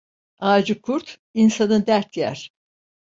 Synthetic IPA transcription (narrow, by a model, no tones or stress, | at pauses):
aːd͡ʒɯkʰuɾt̪ | insanɯd̪æɾt̪jæ̰ɾ̥